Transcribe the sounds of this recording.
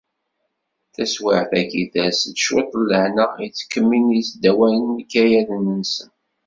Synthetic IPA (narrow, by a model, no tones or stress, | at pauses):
θæswaʕθækiðæstːʃwet̪ˤːlːəhnəʁjt͡sːkːəmːinjsd̪ːæwælənikːæjælənːənsən